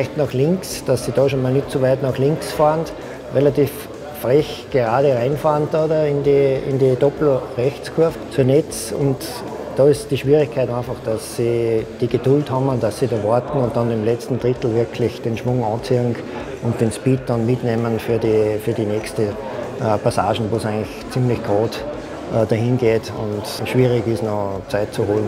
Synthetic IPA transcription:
fɪçtnɑχlɪ̃ŋksd̥asːidɑʃonmaːlnɪtt͡suʋæɪtnɑχlɪ̃ŋksfaːnt | ʁelatiːf | fʁɛçɡ̥eʁaːdəʁãɪnfaːntdɑdəɪndiɪ̰ndidɔpl̩ʁɛxt͡skʰʊɐft͡suːɐnɛt͡sʊ̰nt | d̥ɑɪsd̥iʃʋ̥iːʁɪçkʰaɪtãnfɑχd̥asːid̥iɡ̥ed̥ʊlthɑmʊndasːidoʋɔɐt̪n̩ʊ̃nt̚d̥ɑ̃ndemlɛt͡stn̩d̥ʁɪt̪l̩vɪɐkʰlɪçd̥enʃʋʊŋɑ̃ːt͡siŋ | ʊnt̚d̥enspiːt̚d̥ɑnmɪtneːmənfyːɐdifyɐdinɛkstə | əpʰasa̰ːʃn̩ʋoːsæɪŋɪçt͡simlɪçɡ̥ʁoːt | ʔədaɦɪ̃nɡ̥eːtʊ̰̃ntʃʋ̥iːʁɪɡɪsnot͡saɪt̚t͡suhoːln̩

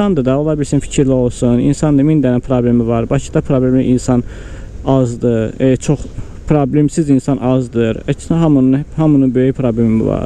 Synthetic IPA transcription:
sɑnd̪ɯd̪ɑolˠɑbiɾsinfi̥cʰiɾlio̞lˠsunḭnsɑnd̪ɯmind̪ænænpʰɾoblʲemivɑɾbɑcʰi̥d̪ɑpʰɾoblemliʔinsɑn | ɑzd̪ɯt͡ʃʰoχ | pʰɾoblemsizinsɑnʔɑzd̪ɯɾæcsɦɑmnhɑmununbøjypʰɾoblʲemḭvɑ̰ɾ

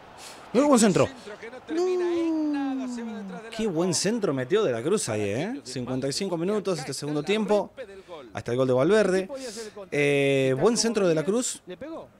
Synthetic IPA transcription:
nweowens̬ent̪ɾo̰no | kʰeβwe̞nsent̪ɾo̞met̪̬joðelakɾusa̰jḛesiŋkwe̞nt̪ajsiŋko̞mĩnut̪o̞s̬est̪eseɣund̪ot̪je̞mpo̞a̰st̪aelɣo̞ld̪e̞βalβeɾðe | eβwe̞nsent̪ɾoðelakɾus

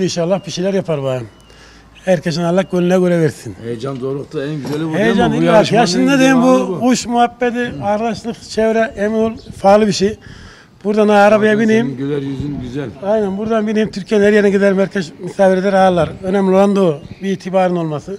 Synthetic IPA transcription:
inʃaːlːahbiʃilʲæɾjapʰaɾbaɯm | hæɾkʰeʃ̬inalˠːakɟølʲinɛɡø̞ɾɛveɾsinejd͡ʒand̪oːɾuqt̪aɛnɡyzʲihejd͡ʒanijɾajaʃɯnnad̪eimbuuʃmuɦapːɛd̪iaɾlaʃlˠɯqt͡ʃʰevɾɛʔeminolˠfaːlˠɯbiʃij | b̥uɾd̪anaaɾabajabinejimøɛɾjyzynɡyzælʲajnænbuɾd̪anbineimt̪ʰyɾcʰijɛnhæɾjeɾnɛɟid̪elimhæɾkʰʲɛʃmisaːviɾed̪ɛɾaːlˠːaɾønɛmlʲiolˠand̪obiːt̪ʰibaːɾɯno̞lˠmasɯ

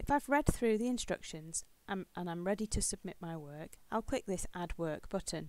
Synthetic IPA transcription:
ɪfaɪvɹɛd̪̚θɹʉːðiɪ̃nstɹ̥ʌ̰kʃə̃nz̥ | ʔə̃ñãɪ̃mɹɛditʰɨsəb̚mɪʔmaɪwɜ˞kaɪlˠkʰw̥ɪk̚ðɪsʔad̚wɜˑ˞k̚b̥ʊʔn̩

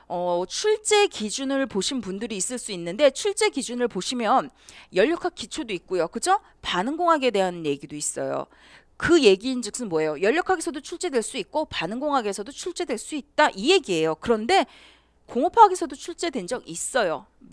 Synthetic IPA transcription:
ʌt͡ɕʰuɭt͡ɕ͈e̞kid͡ʑunɯɭpoɕʰinpundɯɾiːs͈ɯɭs͈uinːɯnde̞t͡ɕʰuɭt͡ɕ͈e̞ɡid͡ʑunɯɭpoɕʰimjʌn | jʌʎːʌkʰak̚k͈ʰit͡ɕʰodoik̚k͈ojokɯd͡ʑo | panɯŋɡoŋɦaɡe̞de̞ɦanje̞ɡidois͈ʌ̰jo̰ | kɯje̞ɡiːnd͡ʑɯk̚s͈ɯnmwʌejojʌʎːʌkʰaɡesʰʌdot͡ɕʰuɭt͡ɕ͈e̞dwe̞ɭs͈uit̚k͈opanɯŋɡoŋɦaɡe̞sʰʌdot͡ɕʰuɭt͡ɕ͈e̞dwe̞ɭs͈uit̚t͈aʔije̞ɡie̞jokɯɾʌnde̞ | koŋopʰaɡe̞sʰʌdot͡ɕʰuɭt͡ɕ͈e̞dwe̞nd͡ʑʌŋis͈ʌjo

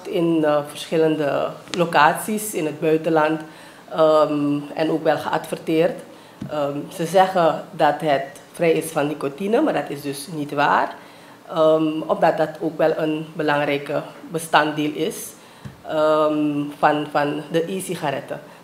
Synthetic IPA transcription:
tɪnvərsχɪləndəlokaːtsisɪnɦəd̚bœɥtəlɑnt | əmɛ̰noːkʋɛlˠχəʔɑ̰tfərtɪːrt | əsəzɛχədɑtɦət | frɛjɪsfɑnnikotinəmaːɹdɑtɪsdɵsnitʋa̰ːr | əʔɔfdɑt̚dɑtʰoːkʋɛlˠənbəlɑŋrɛjkəbəstɑntdɪːlˠɪs | ə | fɑnfɑndəʔisiχaɾɛtə

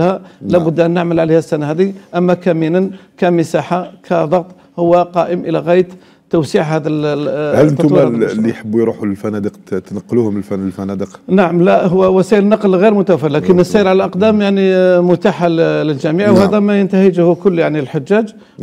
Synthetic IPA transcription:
hælæbʊd̪ːʔænːəʕməlʕalihæsːænæhæd̪iʔəmːækæminənkæməsaħakʰæd̪ˤɑɣt̪ˤ | hʊwːæqɑʔəmʔəlæɣæjət̪ | t̪ːʊwsiʕhæd̪ælhəlʔənt̪ulːijħəbːujɾuħulfænæd̪əqt̪nɑqːluhʊməlfnəlfænæd̪əqnaʕəmlæɦʊwːæwæsæəɾənːɑqlɣiɾmʊt̪æwæfəɾlækənːəsːiəɾʕalʔɑqd̪æmjaʕnimʊt̪aħalləlʒæmiʕwhæd̪æmæjənt̪æhəd͡ʒhkʊlːjaʕnilħʊd͡ʒːæd͡ʒ

